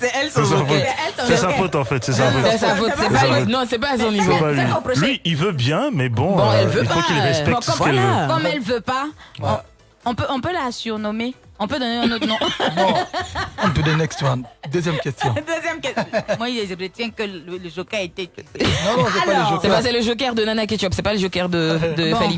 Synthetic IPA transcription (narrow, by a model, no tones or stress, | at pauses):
sɛɛlssɛsãfotɛlsɔ̃sssafot̪ɑ̃fɛt̪sɛsãfosafoɛsɛpafonɔ̃sɛpaɛlsɔ̃nivopalĩplɥɥiʔilvøbjɛ̃mɛbɔ̃bɔ̃ɛlvøilpafokilʁɛspɛkɔt̪kɔkɔmɛlvøpaɔ̃ | ɔ̃pøʔɔ̃pølasyʁnɔme | ɔ̃pød̪ɔneɛ̃not̪nɔ̃bɔ̃ | ɔ̃d̪ud̪enɛkst̪j̃d̪øzjɛmkʲɛst̪jɔ̃d̪øzjɛmkɛ̃mwaileʁet̪jɛ̃kələləʒokaet̪ɛknɔ̃sɛlpaɔʒosɛpasɛləʒok̬ɛʁd̪ənanakit͡ʃɔpsɛpaləʒokɛʁd̪əd̪əffali